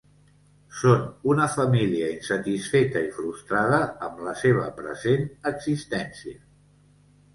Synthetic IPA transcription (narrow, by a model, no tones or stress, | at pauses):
sonunəfəmiliəinsət̪isfet̪əifɾust̪ɾað̞əːmləseβ̞ə̰pɾə̰zenəɡzist̪ɛnsiə